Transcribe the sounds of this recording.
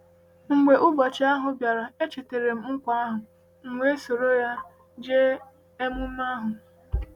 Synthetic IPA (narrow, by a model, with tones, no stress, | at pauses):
ŋ͡m̩˨ɡ͡be˨ʔʊ˦bɔ˨t͡ʃɪ˦a˦ɦʊ˨bja˨ɾa˨e˦t͡ʃe˨te˨ɾe˨m̩˦ŋ͡m̩˦kʷa˦a˦ɦʊ˨ | ŋ͡m̩˨ŋʷe˦so˨ɾo˦ja˦ | d͡ʒe˦ | e˦mʊ˦a˦ɦʊ˨